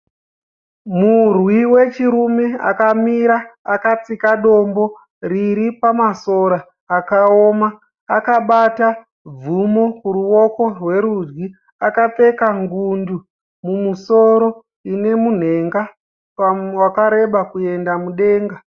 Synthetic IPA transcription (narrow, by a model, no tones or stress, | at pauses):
murwiwe̞t͡ʃiɾume̞a̰kamiɾaakat͡sikaɗo̞mbo̞ | riɾipamaso̞ɾaː | kaomaː | kaɓata | b͡vumo̞kuruwo̞ko̞rwe̞ɾud͡ʒɡi | akap͡fe̞kaŋɡundu | mumusoɾo̞ | ine̞mun̤e̞ŋɡa | wakaɾe̞ɓakue̞ndamuɗe̞ːŋɡa